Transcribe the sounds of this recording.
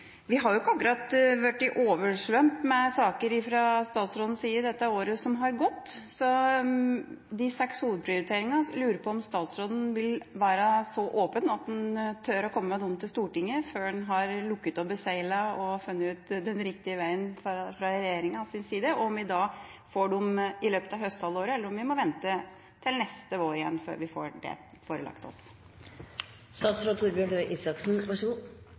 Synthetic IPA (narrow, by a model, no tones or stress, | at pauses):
ʋɪɦɑɾjʊɪkːɑkːʉɾɑt̪ʋæʈːɪʔoːʋəʂʋœmt̪mɛsɑːkəɾɪfɾɑst̪ɑːt̪sɾoːd̪n̩siːəɖ̪ɛt̪ːəoːɾəsɔmɦɑɾɡɔt̪ː | sɔ | d̪ɪsɛkshuːʋəd̪̚pʰɾɪʊɾɪt̪ʰeːɾɪŋɑlʉːɾəpʰɔɔmst̪ɑːt̪sɾoːd̪ən̩ʋɪlʋæːɾəsɔʔoːpənɑt̪̚d̪ɛnt̪ʰœɾɔkʰɔmːəmɛd̪ɔmːt̪ʰɪlst̪uːʈɪŋːəføːɖɛnɦɑɾlʊkːət̪ɔp̚bəsæɪlɑɔfʉnːəʉːt̪d̪ɛnɾɪkt̪ɪəʋæɪənffɾɑɾɛjeːɾɪŋɑsɪnsiːd̪əɔɔmʋɪd̪ɑ | foːɖʊmɪløːpət̪ɑʋhœst̪hɑloːɾəɛləɾɔmʋɪmɔʋɛnt̪ə | t̪ʰɪlnɛst̪əʋoːɾɪjɛnːfø̰ːɾʋɪfo̰ːɖɛ̰ | foːɾəlɑ̰kt̪ɔ̰s | st̪ɑːt̪sɾoːd̪t̪ʰuːɾbjɔɳɖœʏʔisɑksn̩ɑʂu